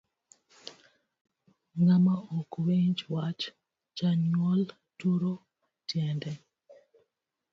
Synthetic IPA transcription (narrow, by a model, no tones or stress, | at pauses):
ŋamaɔkweɲd͡ʒwat͡ʃ | t͡ʃanɔl | tuɾo | tjɛndɛ